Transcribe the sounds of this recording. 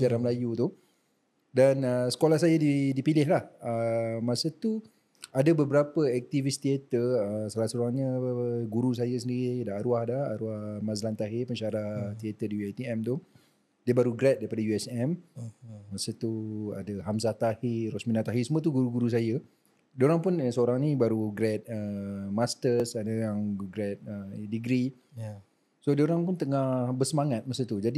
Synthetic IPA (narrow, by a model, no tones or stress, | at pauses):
aɾaməlajut̪u | danəsə̥kolahsajadidipilɪɦlahəmãsət̪u | adabəbəɾapəɛk̚t̪ivist̪iɛt̪ərəsalasəoɾaŋɲəɡuɾus̬ajəs̬əndiɾidaaɾuahdaa̰ɾuahmãzlant̪aɦepəɲʃaɾaht̪iɛt̪ədiuajt̪iɛmt̪u | diəbaɾuɡɾɛt̪̚daɾipadajuɛsɛm | masət̪ua̰daɦamsat̪aheɾɔsminat̪aɦisəmũət̪̬uɡuɾuɡuɾus̬ajə | dioɾaŋpunsəoɾaŋnibaɾuɡɾɛt̪̚əmast̪əsadaaŋɡɾɛt̪̚ədiɡɾi | sodəoɾaŋpunt̪əŋahbəsəmaŋat̪̚masət̪ud͡ʒadi